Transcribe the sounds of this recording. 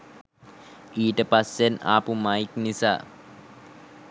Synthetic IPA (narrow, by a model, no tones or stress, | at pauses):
iːʈəpasena̰ːpumaiknisa̰ː